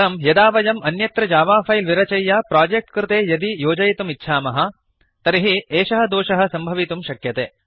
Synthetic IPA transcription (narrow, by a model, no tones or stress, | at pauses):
ɾɐmjɐd̪aːʋɐjɐmɐnjɐt̪ɾɐd͡ʒaːʋaːfɐjlʋiɾɐt͡ʃɐjːaːpɾaːd͡ʒek̚ʈkɾɪt̪eːjɐd̪ijoːd͡ʒɐjt̪umitːʃʰaːmɐɦɐ̆ | t̪ɐɾiɦieːʃɐɦɐ̆d̪oːʃɐɦɐ̆sɐmbʱɐʋit̪umʃɐkjɐt̪ḛː